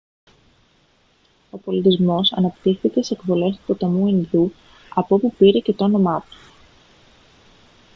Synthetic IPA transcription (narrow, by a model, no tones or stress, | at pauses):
o̞po̞lit̪izmo̞sɐ̰nɐpt̪ixθice̞sekvo̞le̞st̪u̥pot̪ɐmuenðu | ɐpopupiɾe̞ce̞t̪oono̞mɐt̪u̥